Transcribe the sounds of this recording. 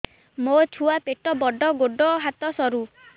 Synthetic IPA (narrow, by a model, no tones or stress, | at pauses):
mot͡ʃʰuapeʈɔbɔɖɔɡoɖɔɦat̪ɔsɔɾu